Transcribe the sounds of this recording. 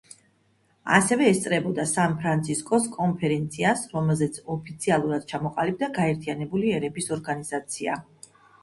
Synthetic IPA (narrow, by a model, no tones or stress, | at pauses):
a̰sɛvɛːst̪sʼɾɛbɔd̪asanpʰɾant̪sʰiskʼɔskʼɔnpʰɛɾɛnt̪sʰiasɾɔmɛlˠzɛt̪sʰɔpʰit̪sʰialˠuɾad̪̥̚t͡ʃʰamɔqʼalib̚d̪aɡaɛɾt̪ʰianɛbuliɛɾɛbisɔɾɡanizat̪sʰia̰